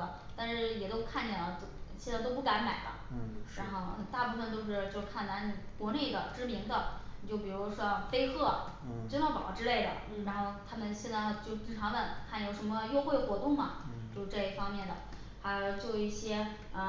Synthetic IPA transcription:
ə˧˩ | t̪a˥˧nʂɻ̩˥˩jɛ˨˩t̪o˥ʊkʰa˥˩nt͡ɕʰɛ˨˩lə˦˩˥ɕjɛ˥˧nt͡st̪o˥ʊpu˥˩ka˧˥nma˨˩ɪd̪ə̰˦ɻa˧˥nxo˥˩ʊə˧t̪a˥˧pu˥˩fə˩nt͡ɕ̪jo˥˧ʊʂ̬ɻ̩˥˧t͡ɕjo˥˧ʊʂkʰa˥˩nt̪a˧˥n˨˩kwɔ˧˥ne˥˩ɪd̪ə̰˩ʈ͡ʂɻ̩˥mi˧˥ŋd̪ə˧˨t͡ɕjo˥˩ʊp̬i˨˩ɻu˧˥ʂwɔ˥fe˥ɪxɤ˥˩ | t͡ɕnɑ˥˩pɑ̰˨˩ʊ˧˥ʈ͡ʂɻ̩˥le˥˩ɪd̪ə̰˨˩ | ɻa˧˥nxo˥˩ʊt̪ʰa˥mə˨nɕjɛ˥˧nt͡sa˥˧˩t͡ɕjo˥˧ʊ˥˩t͡ɕʰi˥ŋʈ͡ʂʰɑ˧˥ŋwə˥˩nkʰa˥˩˨jo˧˩ʊʂə˧˥nmə˧jo˥˧ʊxwe˥˩ɪə˩xwɔ˧˥t̪ʊ˥˩ŋmɐ˩t͡ɕjo˥˧ʂ̩˧ʈ͡ʂɤ˥˧i˥˩fɑ˥ŋmjɛ˥˩nd̪ə̰˩ | xa˧˥ɪjo˧˩ʊt͡swɔ˥˧i˥˩ɕjɛ˥ | ə˧˩

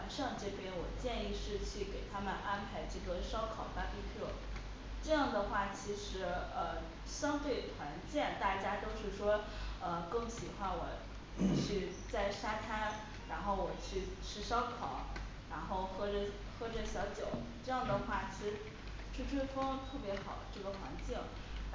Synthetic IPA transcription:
a˨˧˩nʂɑ˥˧ŋʈ͡ʂɤ˥˩pjɛ˥nwɔ˨˩t͡ɕjɛ˥˧ni˥˧ʂɻ̩˥˧t͡ɕʰy˥˩ke˨˩ɪt̪ʰa˥mə˨nʔa˥npʰa˧˥ɪʈ͡ʂɤ˥˩ɡə˩ʂɑ˥ʊkʰɑ˨˩ʊt̪a˥pi˥˧t̪ʰɤ˥˩ | ʈ͡ʂɤ˥˧jɑ˥˩ŋd̪ə˩xwa˥˩t͡ɕʰi˧˥ʂɻ̩˧˥ə˧ | ɕjɑ˥ŋt̪we˥˩ɪt̪ʰwa˧˥nt͡ɕjɛ˥˩nt̪a˥˩t͡ɕja˥t̪o˥ʊʂɻ̩˥˩ʂwɔ˥ə˧kɤ˥˩ŋɕi˨˩xwa˥nwɔ˨˧˩ | i˨˩t͡ɕʰy˥˧ | t͡sa˥˩ɪʂa˥t̪ʰa˥n | ɻa˧˥nxo˥˩ʊwɔ˨˩t͡ɕʰy˥˩ʈ͡ʂʰɻ̩˥ʂɑ˥ʊkʰɑ˨˩˦ʊ | ɻa˧˥nxo˥˩˧ʊxɤ˥˩ʈ͡ʂə˧˩ | xɤ˥ʈ͡ʂə˨˩ɕjɑ˧˥ʊt͡ɕjo˨˩˦ʊʈ͡ʂɤ˥˧jɑ˥˩ŋd̪ə˩xwa˥˩t͡ɕʰi˧˥ʂ̩˥ | ʈ͡ʂʰu˥ʈ͡ʂʰwe˥fɤ˥ŋt̪ʰɤ˥˩pjɛ˧˥xɑ˨˩ʊʈ͡ʂɤ˥˩ɡə˩xwa˧˥nt͡ɕi˥˩ŋ

